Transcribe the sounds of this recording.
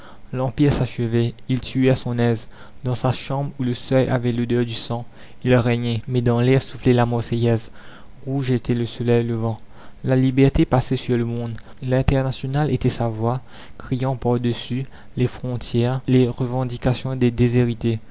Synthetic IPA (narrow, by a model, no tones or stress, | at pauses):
lɑ̃piʁsaʃəvɛilt̪yɛsɔ̃nɛz | d̪ɑ̃saʃɑ̃bʁuləsœja̰vɛlod̪œʁd̪ysɑ̃ | ilʁɛɲɛmɛd̪ɑ̃lɛʁsuflɛlamɔʁsejɛz | ʁuʒet̪ʰɛləsɔlɛjləvɑ̃ | lalibɛʁt̪epasɛsyʁləmɔ̃d̪lɛ̃t̪ɛʁnasjɔnalet̪ɛsavwa | kχijɑ̃paʁd̪əsy | lefχɔ̃t̪ʰjɛːʁleʁəvɑ̃d̪ikasjɔ̃d̪ed̪ezeʁit̪e